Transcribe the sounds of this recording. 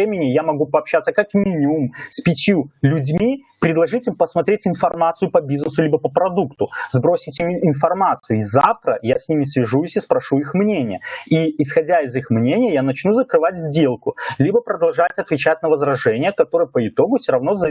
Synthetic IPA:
emʲɪnʲɪjamɐɡupɐːpɕːat̪səkɐkmʲinʲɪʊmsʲpʲɪtʲjulʲʊdʲmʲi | pɾʲɪd̪lˠɐʐɨtʲimpəsmɐt̪ɾʲetʲɪnfɐrmat̪sɨjʊpɐbʲiznəsʊlʲibəpəpɾɐd̪ukt̪ʊzbɾo̞sʲɪtʲimʲɪnfɐrmat̪sɨjʊizaft̪ɾəjasʲnʲimʲɪsvʲɪʐujsʲispɾɐʂuixmnʲenʲɪjəiɪsxɐdʲaɪzixmnʲenʲɪjəjanɐt͡ɕnuzəkɾɨvatʲzʲdʲe̞lˠkʊlʲibəpɾəd̪ɐlˠʐatʲɐt̪vʲɪt͡ɕæt̚ʲnəvəzɾɐʐɛnʲɪjəkɐt̪o̞ɾɨjəpəɪt̪o̞ɡʊfsʲoɾɐvno̞zɐ

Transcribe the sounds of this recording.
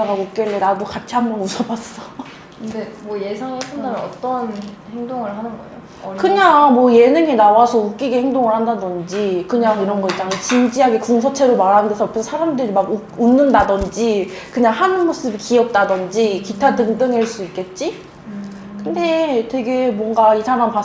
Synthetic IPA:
aɡaɡok͈eɭːenadokat͡ɕʰiɦamjʌnusʰʌbas͈ʌ | demwʌje̞sʰaŋesʰandamʌʌt͈ʌnhe̞ŋdoŋɯɭhanɯnɡʌḛjo | kɯɲaŋmwʌje̞nɯŋenawasʰʌuk̚k͈iɡihe̞ŋdoŋɯɭhandadʌnd͡ʑikɯɲaŋiɾʌnɡʌit͡ɕ͈aŋt͡ɕind͡ʑiɦaɡe̞kuŋsʰʌt͡ɕʰe̞ɾomaɾɦanndesʰʌːpʰesʰʌsʰaɾamdɯɾimaɡu | unːɯndadʌnd͡ʑi | kɯɲaŋhanmos͈ɯbikiʌp̚t͈adʌnd͡ʑikitʰadɯŋdɯŋɦeɭs͈uik͈e̞t̚t͡ɕ͈i | kɯnde̞twe̞ɡe̞mwʌŋɡaisʰamampa

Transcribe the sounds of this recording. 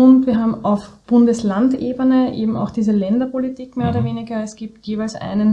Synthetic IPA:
ʊntviːɐɦaːbm̩aʊfb̥ʊndəslandʔeːbənəʔḛːbm̩a̰ʊxd̥iːzəlɛndɐpʰolitʰiːkmeːɐoːdɐveːnɪɡɐɛsɡ̥iːp̚tjeːvæɪlsʔæ̰ɪnən

